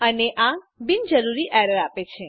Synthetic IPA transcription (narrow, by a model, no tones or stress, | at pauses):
əneʔã | bind͡ʒəɾuɾiʔɛɾəɾapet͡ʃʰe